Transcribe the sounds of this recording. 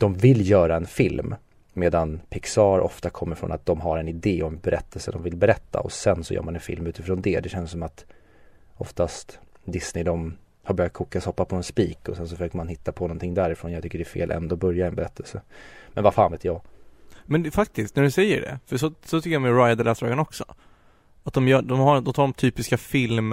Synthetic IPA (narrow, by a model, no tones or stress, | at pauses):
d̪̥ɔmvɪlːjœːɾaɛnfɪlmː | eːd̪anpʰɪksɑːɾʔɔ̰ft̪akʰɔmːəɾfɾɔ̰nat̪̚d̪ɔmɦaɾɛnɪd̪eːɔɛmbɛɾʔɛt̪ʰːɛlsəd̪ɔmvɪlbɛɾɛt̪ːa̰ʔɔ̰sɛnsɔjœ̰ːɾmanɛnfɪ̰lmʉ̟ːt̪ɪfɾoːnd̪ɛd̪ɛɕɛnssːɔmat̪ | ɔft̪ast̪d̪ɪsnɪd̪ɔm | haɾbœɾjat̪̚kʰuːkːashɔpːapʰɔɛnspiːkɔsɛns̬ɔfœʂøːkəɾmanhɪt̪ːapʰɔnɔnt̪ʰɪŋːd̪æɾɪfɾoːnjɑɡt̪ʏkːəɖɛæfḛːlʔɛ̰nd̪oːbœɾjaɛnbɛɾɛt̪ːɛlsəmɛnvafaːnveːt̪jɑːmɛnfak̚t̪ɪst̪̚næɖɵsɛjːə̰ɖɛ̰fœʂɔsɔt̪ʰʏkːəjɔmɛɾajad̪aɭɛːsɾɑːɡanɔksɔ̰ | at̪̚d̪ɔmjœːd̪ɔmhad̪ɔt̪ʰɑːɖɔmt̪ʰyːpɪskafɪlm